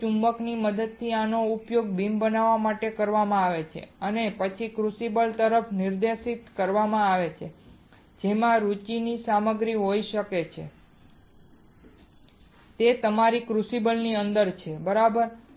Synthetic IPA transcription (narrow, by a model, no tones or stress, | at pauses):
ũmbəkniməd̪əd̪̚t̪ʰːianoupjoɡ̚bimbənaʋamaʈekəɾʋamãaʋet͡ʃʰḛənepət͡ʃʰikɾusibəlt̪əɾəpʰniɾd̪eʃit̪kəɾʋamãaʋet͡ʃʰe | d͡ʒemãɾut͡ʃinisaməɡɾiɦoiʃəket͡ʃʰḛ | t̪et̪əmaɾikɾusibəlniənd̪əɾt͡ʃʰebəɾabəɾ